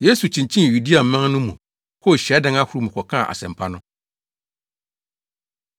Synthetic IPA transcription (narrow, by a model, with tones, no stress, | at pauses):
je˦su˨t͡ɕʰĩ˨ɲt͡ɕʰĩ˦n˨ju˨di˦a˨m̩˨mã˦ŋnʊ̃˦mũ˨ | hʰɔ˦˨ɕɛ˨˦dɪ̃˦ŋa˦hʊ˦ɾu˦mũ˨kʷʰɔ˨kʰã̰˦˨ʔa̰˨sɛ̰̃˨mpʰa˦nʊ̃˦